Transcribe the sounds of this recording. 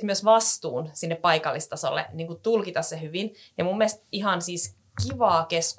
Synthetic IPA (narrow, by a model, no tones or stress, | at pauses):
myøsʋɑst̪uːnsinːeppɑikɑlːist̪ɑso̰lːḛniːŋkut̪ulkit̪ɑssehyʋinjɑmumːiest̪iɦɑnsiːs | kiʋɑːkesk